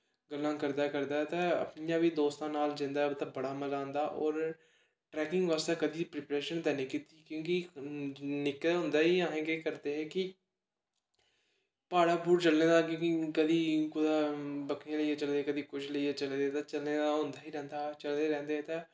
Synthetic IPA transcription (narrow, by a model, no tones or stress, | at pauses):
ɡəlːãːkəɾd̪aːkəɾd̪aːɛt̪ãːə̰pnijãːʋiːd̪oːst̪ãːnaːld͡ʒɪ̃nd̪aːt̪ãːbəɽaːməlãːnd̪aːʔɔːɾ | ʈɾɛːkɪ̃ŋɡʋaːst̪eːkəd̪iːpɾeːpɾeːʃənd̪ɛːnẽːkiːt̪iːkjõːki | nɪkːɦʊ̃nd̪aːɦiːãːɦɛ̃ːɡeːkəɾd̪eːɦɛːkɪ | paːɽaːbuːɾt͡ʃəlnẽːd̪aːkõːkikəd̪iːkʊd̪aːbəkʰãːləiːeːt͡ʃəld̪eːkəd̪iːkʊt͡ʃʰləieːt͡ʃəleːd̪eːt̪aːt͡ʃəlneːd̪aːɦʊ̃nd̪aːɦiːɾɛ̃ːnd̪aːt͡ʃəld̪eːɾɛ̃ːnd̪eːɦɛːt̪ãː